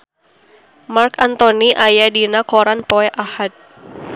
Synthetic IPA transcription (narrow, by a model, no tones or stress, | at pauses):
markant̪oniʔajadinakoɾanpoɛʔahat̪̚